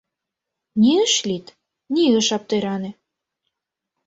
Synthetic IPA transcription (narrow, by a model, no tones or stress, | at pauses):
nʲiəʃlʲit̪ | niə̆ʃɑp̚t̪ɤɾɑnĕ